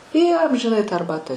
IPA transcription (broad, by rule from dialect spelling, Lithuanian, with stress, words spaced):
ˈjiɛ ɐmʲʒʲɪˈnɐɪ tɑː ɐrˈbɑːtɑː